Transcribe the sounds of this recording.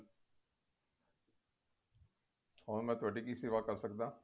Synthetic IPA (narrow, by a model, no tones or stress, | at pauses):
ɔːnmɛ̃t̪ʋəʈikisiʋakɐɾsək̚d̪ãː